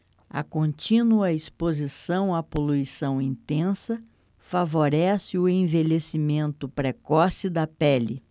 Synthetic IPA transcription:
ɐ̰kõnt͡ʃĩnuɐispozisɐ̃w̃apoluisɐ̃w̃ĩnt̪ẽsɐ | favoɾɛsɪʊẽvelesimẽnt̪ʊpɾekɔsɪd̪ɐpɛlɪ

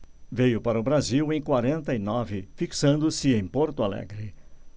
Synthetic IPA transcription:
vejʊpaɾɐʊbɾaziwẽj̃kwaɾẽnt̪ɐinɔvɪfiksɐ̃nd̪ʊsɪẽj̃poɾt̪ʊalɛ̰ɡɾɪ

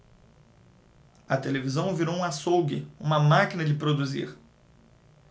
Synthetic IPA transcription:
ɐt̪elevizɐ̃w̃viɾowũasowɡɪṵ̃mɐmakinɐd͡ʒɪpɾod̪uzḭɾ

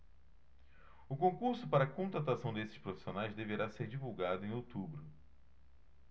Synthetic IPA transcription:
ʊkõŋkuɾsʊpaɾɐkõt̪ɾat̪asɐ̃w̃d̪esɪ̥ʃpɾofi̥sionajzd̪eveɾaseɾd͡ʒivuwɡad̪ʊẽowt̪ubɾʊ

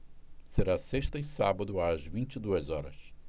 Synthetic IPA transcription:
seɾaseʃt̪ɐĩsabɐd̪ʊazvĩnt͡ʃid̪uɐzɔɾɐ̰s

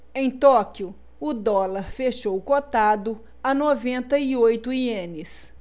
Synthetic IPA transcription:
ẽj̃t̪ɔkiʊ | ʊd̪ɔlɐɾfeʃowkot̪ad̪ʊ | anovẽnt̪ɐiojt̪ʊiẽnɪs

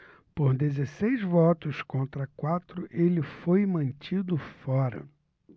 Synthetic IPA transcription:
poɾd̪ezesejzvɔt̪ʊskõnt̪ɾɐkwat̪ɾʊʔelɪfojmɐ̃nt͡ʃid̪ʊfɔɾɐ̰

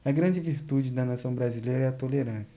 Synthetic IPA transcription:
ɛɡɾɐ̃d͡ʒɪviɾt̪ud͡ʒɪd̪ɐnasɐ̃w̃bɾazilejɾɐɛɐt̪oleɾɐ̃sjɐ̥

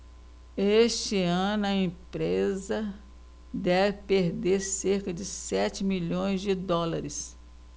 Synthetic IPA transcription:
eʃt͡ʃɪɐ̃nʊɐẽpɾezɐ | d̪ɛvɪpeɾd̪eɾseɾkɐd͡ʒɪsɛt͡ʃɪmiʎõj̃zd͡ʒɪd̪ɔlaɾɪs

